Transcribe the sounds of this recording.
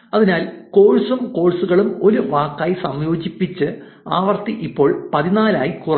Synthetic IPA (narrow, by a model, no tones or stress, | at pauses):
ɐðinaːlko̞ːɻsumko̞ːɻsuɣɐɭumo̞luʋaːkːaːjisɐmjo̞ːd͡ʑipːit͡ɕːɨ | aːʋɐrt̪iʔipːo̞ːɭpɐðinaːlaːjikur